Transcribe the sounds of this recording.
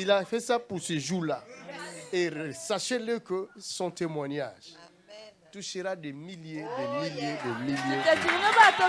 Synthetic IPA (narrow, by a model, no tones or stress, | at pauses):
ilafɛsapuʁsəʒula | esaʃeləkəsɔ̃t̪emwanaʒ̥ | t̪uʃəɾad̪emiljedemiljed̪əmiljẽɛt̪iinɔbat̪ɔ